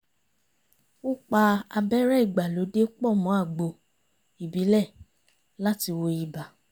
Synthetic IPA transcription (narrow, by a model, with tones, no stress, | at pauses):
o˦˨k͡pa˧a˧bɛ˦ɾɛ˦i˦˨ɡ͡ba˨lo˨˦de˦k͡pɔ˦˨mɔ̃˨˦a˦˨ɡ͡bo˧ | i˨bi˨˦lɛ˦˨ | la˦ti˧wo˧ji˧ba˨